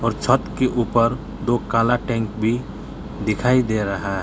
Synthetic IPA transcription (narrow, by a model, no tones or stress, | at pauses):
ɔːɾt͡ʃʰət̪keʔuːpəɾ | d̪oːkaːlaʈɛ̃ːŋkbʱi | d̪ɪkʰaːid̪eɾəɦaɦ